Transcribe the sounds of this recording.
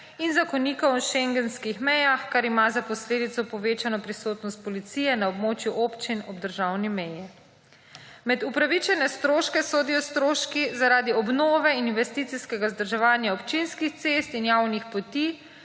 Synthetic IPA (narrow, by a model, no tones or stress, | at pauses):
inzakɔniːkɔwʃɛŋɡɛnskixmɛjaxkaɾimazapɔsleːd̪it̪sɔpɔʋeːt͡ʃanɔpɾisoːt̪nɔst̪̚pɔlit̪siːjɛnaɔbmoːt͡ʃjuʔoːpt͡ʃinɔbd̪əɾʒawnimɛjɛ | mɛd̪upɾaʋit͡ʃɛnɛst̪ɾoːʃkɛsoːd̪ijɔst̪ɾoːʃkizaɾaːd̪iɔbnoːʋɛininʋɛst̪iːt̪siskɛɡazd̪əɾʒɛʋaːnjaɔpt͡ʃinskixt̪sest̪injawnixpɔt̪iː